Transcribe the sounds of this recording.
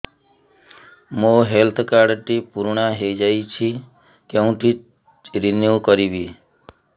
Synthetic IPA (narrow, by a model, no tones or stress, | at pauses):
mõɦelt̪ʰkaɽʈipuɾɳaɦed͡ʒait͡ʃʰi | keũʈi | ɾinjukəɾiʋi